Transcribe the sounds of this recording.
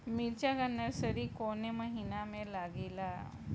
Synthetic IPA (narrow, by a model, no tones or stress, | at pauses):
miɾt͡ɕjaɡənːəɾsəɾiːkoneməɦinamelaɡila